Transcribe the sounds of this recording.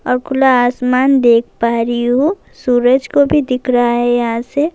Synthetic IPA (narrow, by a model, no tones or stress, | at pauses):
ɔːɾkʰʊlaːsmaːnd̪eːkʰpaːɾiɦo | suːɾəd͡ʒkobʱid̪ɪkʰɾaaɦɛjɐɦãse